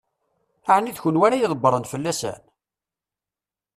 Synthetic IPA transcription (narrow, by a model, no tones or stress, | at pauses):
aʕənːiðçʊnwænæjiðˤəbːəɾˤənfəlːæsæ̰n